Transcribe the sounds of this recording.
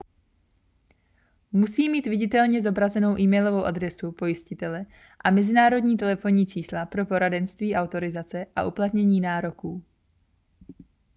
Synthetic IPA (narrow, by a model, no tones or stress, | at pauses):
musiːmiːt̪vɪɟɪt̪ɛlɲɛzo̞bɾazɛno̞wʔiːmɛjlovo̞wʔad̪ɾɛsupo̞jɪscɪt̪ɛlɛ | ʔamɛzɪnaːɾo̞dɲiːt̪ɛlɛfo̞ɲiːt͡ʃiːslapɾo̞po̞ɾadɛnst̪viːʔawt̪o̞ɾɪzat͡sɛʔa̰ʔuplat̪ɲɛɲiːnaːɾo̞kuː